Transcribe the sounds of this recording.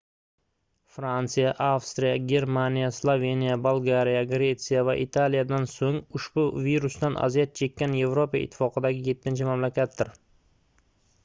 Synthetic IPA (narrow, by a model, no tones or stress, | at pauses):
fɾant̪sijaʔafst̪ɾijaɡʲe̞ɾmanijaslˠovʲe̞nijabolˠɡaɾijaɡɾe̞t̪sɨjavaʔit̪ʰalijad̪ansoŋʊʃbʊviɾʊsd̪anʔa̰zijat̪̚t͡ʃʰe̞kʲːanje̞vɾopaɪ̰t̪ʰːɪ̥fɒqɨd̪aɡʲɪje̞t̪ʰːɪnt͡ʃʰɪmamlakʲat̪̚d̪ɪɾ